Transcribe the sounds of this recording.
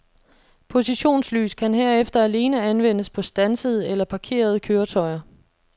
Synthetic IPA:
pʰo̝siɕo̝̰ːnsly̰ːskʰænɦeɐ̰efd̥ɐæle̝ːnəænʋen̰əspʰɒ̽sd̥ænsəð̞ˠəelɐpʰɑ̈kʰe̝̰ːɐð̞ˠəkʰøːɐt͡sʰɒ̽ɪɐ

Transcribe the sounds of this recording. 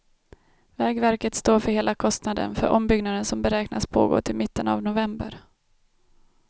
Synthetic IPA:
vɛːɡvæɾkət̪st̪oːfœɾheːlakʰɔst̪nad̪ə̰nfœɾʔɔmbʏɡnad̪ənsɔmbɛɾɛːknaspʰo̰ːɡo̰ːʈ̪ʰɪlmɪt̪ːəna̰vnʊvɛmbə̰ɾ

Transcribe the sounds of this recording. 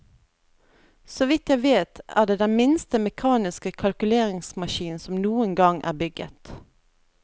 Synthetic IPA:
sɔʋɪt̪jæɪʋeːt̪æ̰ːd̪eːd̪ɛnmɪnst̪əmɛkʰɑːnɪskəkʰɑlkʉleːʁɪŋsmɑʃiːn̩sɔmnuːəŋɡɑŋʔæ̰ːʁbʏɡə̰t̪

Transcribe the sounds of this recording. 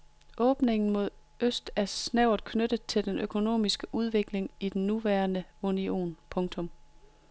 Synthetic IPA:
ʔɔːb̥ne̝ŋn̩mo̝ð̞ˠ | øsd̥æɐsnæʊð̩ˠkʰnød̥əð̩ˠt͡sʰe̝ld̥enʔøkʰo̝no̝̰ːmisɡ̥əʔuð̞ˠʋe̝ɡ̥le̝ŋid̥enːuʋæːɐnəunio̝̰ːnpʰɔ̽ŋt͡sʰɔ̽m

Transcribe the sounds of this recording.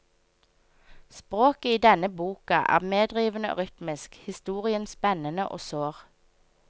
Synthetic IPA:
spʁoːkəiːd̪ɛnəbuːkɑʔæ̰ːʁmeːd̪ʁiːʋənəo̰ːʁʏt̪mɪskhɪst̪uːʁɪənspɛnənəʔo̰ːsøːʁ

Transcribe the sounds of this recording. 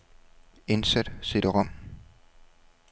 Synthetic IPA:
e̝nsæd̥se̝d̥əʁɒm̰

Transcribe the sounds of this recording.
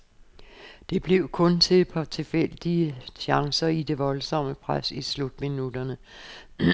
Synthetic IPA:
d̥e̝b̥le̝ʊkʰɔ̽nt͡sʰe̝pʰɑ̽t͡sʰe̝fel̰d̥iəɕɑ̈ŋsɐid̥e̝ʋɒ̽lsɒ̽məpʰʁasislud̥minud̥ɐnə

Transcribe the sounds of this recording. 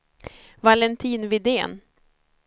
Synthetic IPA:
valɛnt̪ʰiːnvɪd̪ḛːn

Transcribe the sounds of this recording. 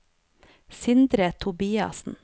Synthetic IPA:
sɪnd̪ɾət̪ʰʊbiːɑ̰sn̩

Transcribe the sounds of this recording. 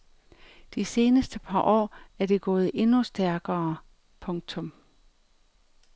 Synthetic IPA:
d̥ise̝ːnəsd̥əpʰɑ̈ʔɒ̰ːæɐd̥e̝ɡ̥ɔ̽ːð̞̩ˠʔe̝nusd̥æɐɡ̥ɐː | pʰɔ̽ŋt͡sʰɔ̽m

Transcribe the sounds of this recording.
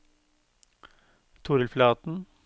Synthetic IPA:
t̪ʰuːɾəlflɑːt̪n̩

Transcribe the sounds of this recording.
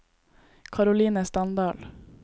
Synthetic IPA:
kʰɑɾʊliːnəst̪ɑnd̪ɑːl

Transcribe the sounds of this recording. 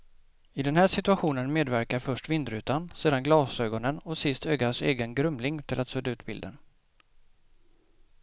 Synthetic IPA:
ɪd̪ɛnhæːʂɪt̪ɵaɧuːnənmeːd̪væɾkaɾfœʂʈvɪnd̪ɾʉ̟ːt̪anseːd̪anɡlɑːsøːɡɔnənɔsɪst̪øːɡaʂḛːɡənɡɾɵmlɪŋt̪ʰɪlʔat̪sɵːd̪aʉ̟ːt̪̚bɪld̪ə̰n

